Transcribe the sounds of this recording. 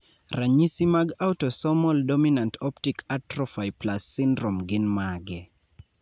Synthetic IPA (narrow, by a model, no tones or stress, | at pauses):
raɲisimaɡautɔsɔmɔldɔminantɔptikʰatɾɔfajplasːɪndɾɔmɡɪnmaɡɛ